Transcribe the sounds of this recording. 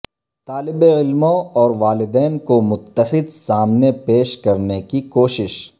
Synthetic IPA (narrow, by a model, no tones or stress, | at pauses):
t̪aːlɪbeɪlmõɔːɾʋaːlɪd̪ɛːnkomʊt̪ːəħɪd̪saːmnepeːʃkɐɾnekikoːʃɪʃ